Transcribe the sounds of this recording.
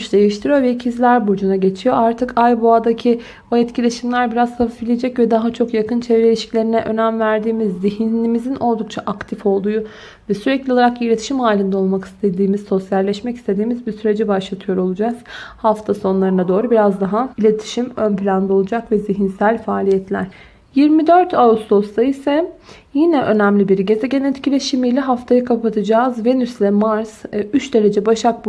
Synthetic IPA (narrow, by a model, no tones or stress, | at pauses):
yt͡ʃd̪e̞jiʃt̪ʰiɾijovɛicʰizlʲæɾbud͡ʒunaɟe̞t͡ʃʰijo̞aɾt̪ʰɯkajboad̪acʰi | oɛt̪cʰilʲe̞ʃimlʲæɾbiɾazsafifbilʲijed͡ʒɛcvɛd̪aɦat͡ʃʰo̞kjakɯnt͡ʃʰevɾeilʲiʃcʰlʲe̞ɾinɛʔø̞næmvæɾd̪iːmizːiɦinlʲimizinʔo̞lˠd̪uk̚t͡ʃʰaʔakt̪ʰifo̞lˠd̪uːu | vɛsyɾɛclʲiolˠaɾakilʲe̞t̪ʰi̥ʃimhaːlʲind̪ɛo̞lˠmaki̥st̪ʰe̞d̪iːmizso̞sjalʲːɛʃmɛci̥st̪ʰe̞d̪iːmizbisyɾe̞d͡ʒibaʃlˠat̪ʰɯjo̞ɾo̞lˠud͡ʒaz̥haft̪ʰaso̞nlˠaɾɯnad̪o̞ːɾubiɾazd̪aɦailʲe̞t̪ʰi̥ʃimønplʲand̪ao̞lˠud͡ʒakvɛziɦinsælʲfaːlʲijɛt̪lʲæ̰ɾ̥ | jiɾmid̪øɾt̪ʰausd̪o̞st̪ʰaisɛ | jinɛʔønæmlʲibiɾɟe̞zɛɟe̞net̪cʰilʲeʃimijlʲɛɦaft̪ʰajakʰapʰat̪ʰɯd͡ʒaːzve̞nyslʲɛmaɾzyt͡ʃd̪e̞ɾe̞d͡ʒɛbaʃak̚b